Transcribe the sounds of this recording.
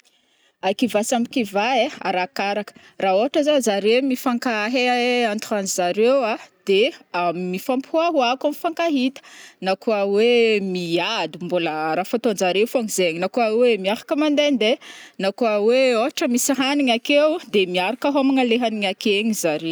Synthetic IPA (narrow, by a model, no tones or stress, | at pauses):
akivasamikivaea̰ɾakaɾakə̥ | raoaʈ͡ʂəzazaɾemifaŋkaɦeant̪uanizaɾewad̪̥eamːifampuaɦuakamifaŋkaɦit̪ə̥nakuəwemiad̪umbuləɾafat̪ond͡ʒaɾewfoaŋzeɲinakuawemiafḁkəmand̪end̪enakuəweoɦaʈ͡ʂəmisiɦaniɲakewd̪emiaɾakaɦomaŋəleɦaniɲakeɲizaɾe